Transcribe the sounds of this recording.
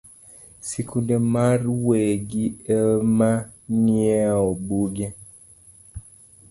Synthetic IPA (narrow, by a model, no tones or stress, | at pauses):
sikundɛmarweɡiɛmaɲiɛɔbuɡɛ